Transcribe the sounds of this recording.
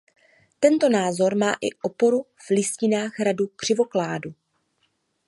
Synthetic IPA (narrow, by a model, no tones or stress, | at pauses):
t̪ɛnt̪o̞naːzo̞ɾma̰ːʔɪ̰ʔo̞po̞ɾu | v̥lɪscɪnaːxɾadukr̝̥ɪvo̞klaːdu